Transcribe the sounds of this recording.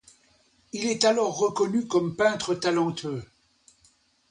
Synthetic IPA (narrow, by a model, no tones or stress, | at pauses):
ilɛt̪alɔʁːəkɔnykɔmpɛ̃t̪χət̪alɑ̃t̪ʰø